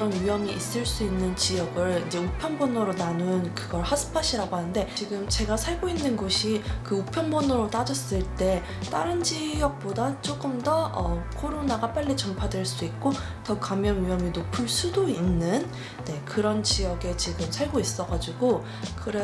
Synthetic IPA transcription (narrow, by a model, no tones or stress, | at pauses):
ʌnɥijʌmiʔːs͈ɯɭs͈uinːɯnt͡ɕijʌɡɯɭid͡ʑe̞upʰjʌnbʌnɯɾonanunkɯɡʌɭhasʰɯ̥pʰaɕ͈ʰiɾaɡoɦanɯnde̞t͡ɕiɡɯmt͡ɕe̞ɡasʰaɭɡoinːɯnɡoɕʰikɯupʰjʌnbʌnʌɾot͈ad͡ʑʌs͈ɯɭt͈e̞ | t͈aɾɯnd͡ʑijʌk̚p͈odat͡ɕ͈ok͈ɯmdʌʌkʰoɾonaɡap͈aɭːit͡ɕʌmpʰadweɭs͈uik̚k͈o | tʌkamjʌnɥijʌminopʰɯɭs͈udoinːɯn | ne̞kɯɾʌnt͡ɕijʌɡe̞t͡ɕiɡɯmsʰaɭɡois͈ʌɡad͡ʑiɡo | kɯɾe